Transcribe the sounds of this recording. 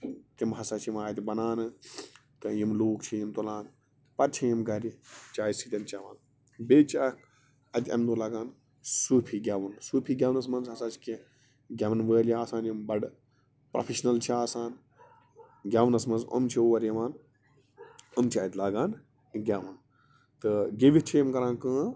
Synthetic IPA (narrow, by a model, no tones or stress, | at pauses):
k̪imɦɐsaːt͡ʃʰjimaːjt̪ibɐnaːnɨ | t̪ɨjimloːkt͡ʃʰijimt̪ulãːn | pɐɾt͡ʃʰijimɡɐɾit͡ʃaːjisit̪ʲɐnt͡ʃaʋaːn | beːt͡ʃʰak | ɐt̪ʲɐ̰md̪uːlaːɡaːn | suːpʰiːɡʲaʋɐnsuːpʰiːɡʲawnɐsmɐnzɦɐsaːt͡ʃʰi̥ki | ɡʲaʋɐnʋəːliaːsaːnjimbɐɖ | pɾɐ̰pʰiʃnɐlt͡ʃʰiaːsaːn | ɡʲaːʋɐnɐsmɐnzɐ̰mt͡ʃʰioʋɐɾjɐʋaːn | ɐmt͡ʃʰiaːt̪ʲlaːɡaːn | ɡʲaːʋɐn | t̪ɨɡeʋit͡ʃʰijimɡɐɾãːnkɨ̃ː